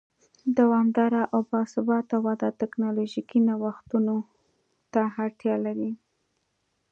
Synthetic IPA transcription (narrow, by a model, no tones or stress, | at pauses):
d̪awɑmd̪ɑɾaʔawbɑsʊbɑt̪awad̪ɑt̪ɪknɑloʒikinawaxt̪uno | t̪aaɾt̪jɑlaɾi